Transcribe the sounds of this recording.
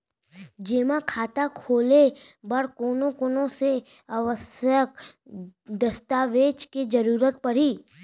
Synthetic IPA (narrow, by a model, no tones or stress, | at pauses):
d͡ʒeːmakʰaːt̪akʰoːlebɐɾkoːnõkoːnõse | əʋəsjək | d̪əst̪aːʋeːt͡ʃked͡ʒəɾuːɾət̪̚pɐɽiː